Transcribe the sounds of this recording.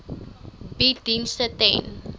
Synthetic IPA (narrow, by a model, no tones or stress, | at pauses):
bidinstətḛ̃n